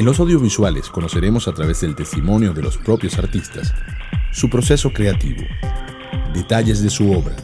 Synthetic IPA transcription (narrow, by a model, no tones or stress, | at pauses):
enlos̬awðjoβiswalesko̞nose̞ɾemo̞sat̪ɾaβezðelt̪est̪imõ̞njoðe̞lospɾopjo̞saɾt̪ist̪asː | upɾo̞seso̞kɾe̞at̪ḭβo̰ | d̪et̪aʎe̞zðesuoβɾa